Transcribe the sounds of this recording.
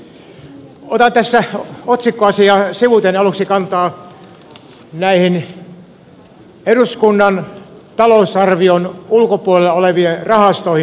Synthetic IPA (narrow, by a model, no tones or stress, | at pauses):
ot̪ɑnt̪æsːæot̪sikːoɑsijɑsiʋut̪enɑluksikɑnt̪ɑː | næihin | eruskunːɑn | t̪ɑlousɑrʋionulkopuolelːɑoleʋienrɑhɑst̪oihi